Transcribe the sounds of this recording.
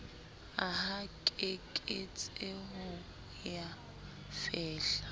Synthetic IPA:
aɦakʼekʼɪt͡sʼeɦʊ | ja | fɛːɬḁ

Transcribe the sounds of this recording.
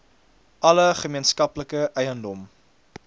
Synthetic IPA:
ʔɐləχəmiənskɐpləkəʔɛjəndɔm

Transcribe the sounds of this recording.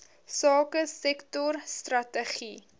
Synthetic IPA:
sɑːkəsɛktɔrstrɐtəχi

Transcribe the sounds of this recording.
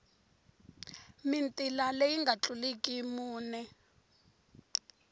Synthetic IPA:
mintʼilalejiŋɡʱat͡ɬulikʼimuːnɛ

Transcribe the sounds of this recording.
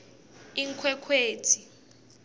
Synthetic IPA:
iŋkʰwɛkʰweːtʰi

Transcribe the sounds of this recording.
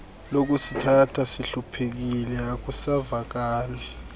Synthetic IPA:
lok̬usitʰatʰasiɬupʰek̬ilɛak̬ʼusavak̬aːlɛ

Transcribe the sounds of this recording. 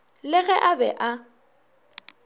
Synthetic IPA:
lɪɣɛʔabɛ̰ʔa

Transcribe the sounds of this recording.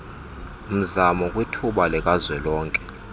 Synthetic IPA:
um̩zamɔkʼwitʰuɓalɛkʼazwɛlɔːŋkʼɛ̥

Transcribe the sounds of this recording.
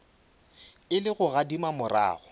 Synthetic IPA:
ɪlɪɣʊɣadimamʊra̰ːɣʊ

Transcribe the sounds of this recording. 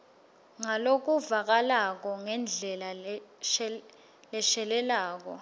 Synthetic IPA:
ŋalok̬uvak̬alak̬ɔŋɛnd͡ɮʱɛlaɛ | lɛʃɛlɛlaːk̬ɔ

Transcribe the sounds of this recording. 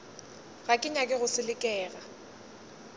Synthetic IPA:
ɣakʼɪɲakʼɪɣʊsɪlɪkʼɛːɣa

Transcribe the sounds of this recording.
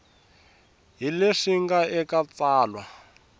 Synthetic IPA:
ɦileʂiŋɡaɛkat͡saːlwa

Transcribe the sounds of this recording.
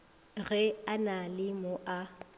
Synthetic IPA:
ɣɛanalɪmʊʔa

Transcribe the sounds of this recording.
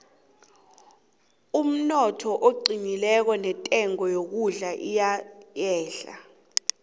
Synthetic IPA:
um̩nɔtʰɔʔoǃinilɛk̬ɔnɛtʼɛŋɔjok̬uɮaʔijajɛːɬa̰

